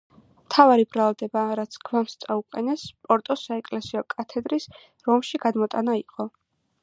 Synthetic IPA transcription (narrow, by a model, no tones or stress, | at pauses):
mt̪ʰavaɾibɾalˠd̪ɛbaɾat̪sʰɡʰvamst̪sʼauqʼɛnɛspʼɔɾt̪ʼɔsaɛkʼlɛsiɔkʼat̪ʰɛd̪ɾis | ɾɔmʃiɡad̪mɔt̪ʼanaiqʼɔ